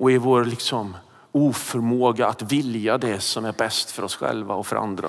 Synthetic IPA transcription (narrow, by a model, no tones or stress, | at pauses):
ɔɪvoːɾlɪksɔm | uːfœɾmoːɡaat̪vɪljad̪ɛsɔmæɾbɛst̪fœɾɔsɧɛ̰lva̰ɔfœɾa̰nd̪ɾa̰